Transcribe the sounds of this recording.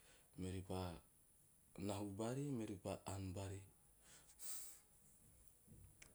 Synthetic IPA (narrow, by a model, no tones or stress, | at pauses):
meɾipa | naɦubaɾimeɾipaʔanbaɾi